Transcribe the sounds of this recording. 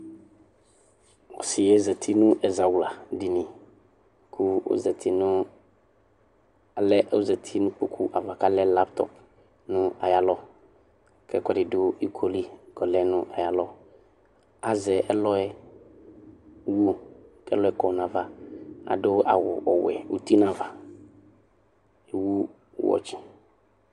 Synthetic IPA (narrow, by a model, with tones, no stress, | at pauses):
wɔ̰˨sɪ˨jɛ˦zɛ˨t̪ʰi˦nũ˦ʔɛ˨za˨wla˨di˨nĩ˨ | kʰu˦o̰˦zɛ˨t̪ʰi˦nʊ̃˦˨ | lɛ˦o̰˦zɛ˨t̪ʰi˦nũ˦k͡po̰˦kʰu˦ʔa˨va˨ka˦lɛ˦la˦pt̪ɔ̰˨p̚ | nʊ̃˦a˨ja˦lɔ˦ | kɛ˦kɛ˦dɪ˨dʊ˦i˦kʰo˦li˦ɡɔ˨lɛ˦nʊ̃˦ʔa˨ja˦lɔ˦ | a˨zɛ˨ʔɛ˦lɔ˦ɛ˦ | wo˦kɛ̰˦lɔ˦ɛ˦kɔ˨n˨ã˨va˨a̰˨dʊ˦a̰˨wʊ̰˨ʔɔ˨wɛ̰˨u˦t̪i˦nã˨va˨ | e˨wu˦ | wɔ̰˨t͡ʃɪ̥˨